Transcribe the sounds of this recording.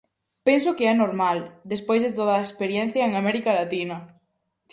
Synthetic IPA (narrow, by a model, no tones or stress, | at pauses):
pens̬ʊkeɛnoɾmald̪espojzðet̪oð̞ɐːekspeɾjɛn̟θjɐeŋamɛɾikalat̪inɐ